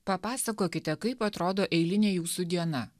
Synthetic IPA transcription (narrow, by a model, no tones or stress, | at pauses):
pɐpɑːsɐkoːkʲɪt̪ʲɛkɐɪpɐt̪ɾoːd̪oːʔɛɪlʲɪnʲeːjuːsud̪ʲiɛnɐ